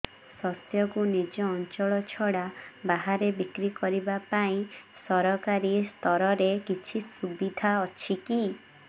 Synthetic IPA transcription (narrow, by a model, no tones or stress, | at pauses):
sɔsjɔkunid͡ʒɔːnt͡ʃɔɭɔt͡ʃʰɔɽabaɦaɾebikɾikɔɾibapaĩsɔɾɔkaɾist̪ʰɔɾɔɾekit͡ʃʰisubid̪ʱaɔt͡ʃʰiki